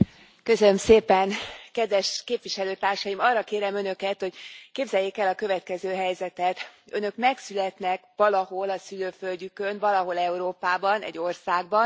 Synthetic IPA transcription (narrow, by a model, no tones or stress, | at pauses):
kø̞sønømseːpɛnkɛd̪ʋɛʃkeːpvʋiʃɛløːt̪aːrʃɒjimɒrːɒkeːɾɛmø̞nø̞kɛt̪ho̞ɟkeːbzɛjːeːkɛlɒkø̞vɛt̪kɛzøːɦɛjzɛt̪ɛt̪ø̰nø̞kmɛksylɛt̪nɛkʋɒlɒɦo̞lɒsyløːfø̞lɟykønvɒlɒɦo̞lɛuɾoːpaːbɒnɛ̰ɟːo̞rsaːɡ̚bɒn